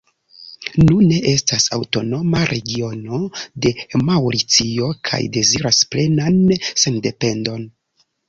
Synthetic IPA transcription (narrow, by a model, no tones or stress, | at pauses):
nune̞ʔe̞stasawto̞no̞maɾʔe̞ɡio̞no̞de̞mawɾit͡sio̞kʰa̰jde̞ziɾasple̞nanse̞ndepe̞ndo̞n